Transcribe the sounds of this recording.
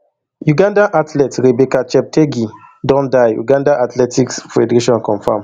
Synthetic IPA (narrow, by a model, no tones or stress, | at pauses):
juɡãndaʔatlɛtɾebɛkat͡ʃɛp̚tʰeɡi | dɔ̃ndajjṵɡãndaʔatlɛtiksfɛdɾeʃɔ̃nkɔ̃ɱfã̰m